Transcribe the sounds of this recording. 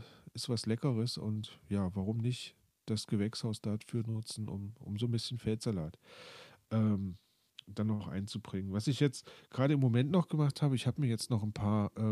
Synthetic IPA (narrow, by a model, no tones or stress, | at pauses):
ʔɪstv̥aslɛkəʁ̞əsʊ̰ntjaːvaʁ̞ʊmnɪçt | d̥asɡ̥əvɛkshaʊsd̥afyːɐnʊt͡sn̩ʔʊ̰mʔʊ̰mzoːnbɪsçən̩fɛltz̥alaːtʔɛːm | d̥anɔχʔa̰ɪnt͡subʁɪŋənvasɪçjɛt͡stɡ̥ʁaːɾəɪmːomɛntnɔχɡ̥əmaχthaːbəɪçhaːbəmiːɐjɛt͡stnɔχnpʰaːɐʔɛː